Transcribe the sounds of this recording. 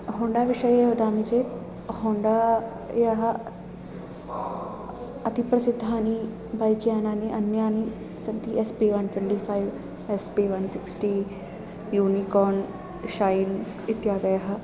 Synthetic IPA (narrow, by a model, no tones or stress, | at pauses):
ɦõːɳɖaːʋɪʃəjɦod̪aːmit͡ʃeː | hõːɳɖaː | jaɦɐ | ɐt̪ipɾɐsɪd̪ʱːɦaːni | baːjkjaːnaːniʔɐnjaːni | sɐɡt̪iʔɛspiːʋɐnʈwẽɳʈiːpʰaːiʋ | ɛspiːʋɐnsɪksʈiː | juːnikɔːn | ʃaːjn | ɪt̪jaːd̪ɐjaɦɐ